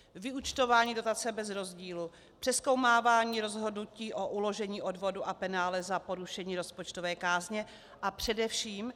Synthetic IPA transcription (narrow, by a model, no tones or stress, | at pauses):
vɪut͡ʃt̪o̞vaːɲiːdo̞t̪at͡sɛbɛzɾo̞zɟiːlu | pr̥ɛsko̞wmaːvaːɲiːɾo̞zɦo̞dnuciːʔo̞ʔulo̞ʒɛɲiːʔo̞dvo̞duʔapɛnaːlɛzapo̞ɾuʃɛɲiːɾospot͡ʃt̪o̞vɛːkaːzɲɛ | ʔapr̝̥ɛdɛfʃiːm